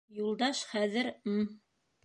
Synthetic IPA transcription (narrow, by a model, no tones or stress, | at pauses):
julˠd̪ɑʃχæðɘɾm̩